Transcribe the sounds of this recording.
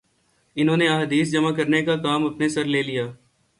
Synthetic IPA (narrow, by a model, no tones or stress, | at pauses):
ɪnɦõːneɐɦd̪iːsd͡ʒɐmakɐɾnekakaːmɐpnesɐɾleːlijaː